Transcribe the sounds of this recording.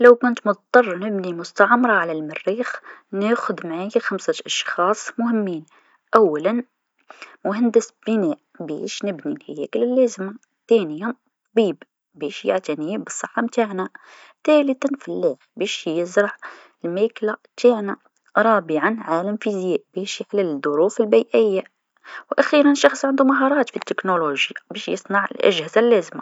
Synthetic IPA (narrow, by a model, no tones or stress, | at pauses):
lawkʊnt̪mʊt̪t̪ˤːɑrˤnɪbnimʊst̪aʕɑmɾˤɑʕalalmɪrːiːxneːxʊd̪maʕaːjxamsaʔɑʃxɑːsˤmʊhɪmːiːn | ʔawːalan | mʊɦand̪ɪsb̥ɪneːʔ | bḛːʃnɪbnilhajḛːklɪlːeːzɪma | t̪eːnɪja | biːb | beːʃja̰ʕt̪aniːbɨsˤːɨħːɑmt̪aːʕna | t̪æːlət̪anfalːaxbeːʃjjəzɾˤɑʕ | ɪlmæːklat̪aːʕna | ɾˤɑːbɪʕanʕaːlamfizjeːʔbɛːʃjɪħlɪld̪ˤʊɾuːfɪlbiːʔɪjːa | wʔæxiːɾanʃɑxsˤʕɪnd̪umaɦɑːɾˤɑːt̪fit̪ːɪknoloʒjabeːʃjɪsˤnɑʕə̰lʔæ̰ʒhɪzalːæːzma